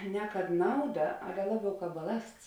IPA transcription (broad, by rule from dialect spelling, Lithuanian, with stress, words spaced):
nʲɛ kɐt ˈnɐʊˌdɐ ˈɑːlʲɛ ˈlˠɑːˌbʲɛʊ ˈkɑːp bɐˈlˠɐsts